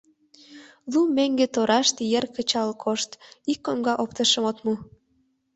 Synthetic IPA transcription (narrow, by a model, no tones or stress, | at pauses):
lumeŋɡet̪oɾɑʃt̪jerkət͡ɕɑlkʰoʃt̪ikːomɡɑʔop̚t̪əʃəmot̪mu